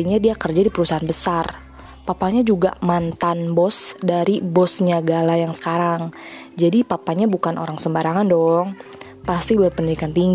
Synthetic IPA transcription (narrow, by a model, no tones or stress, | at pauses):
iɲadiakərd͡ʒadipəɾusaɦanbəsar | papaɲad͡ʒuɡa̰mant̪anbɔsdaɾibɔsɲaɡalajaŋsə̥kaɾaŋ | d͡ʒadipapaɲabukanʔo̰ɾaŋsəmbaɾaŋandɔŋ | past̪iapəndidikant̪iŋɡ